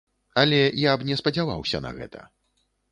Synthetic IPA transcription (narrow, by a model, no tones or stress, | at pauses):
ɐlʲɛjabnʲɛspɐd͡zʲava̰wsʲɐ̰nɐ̰ɣɛ̰t̪ʰɐ̰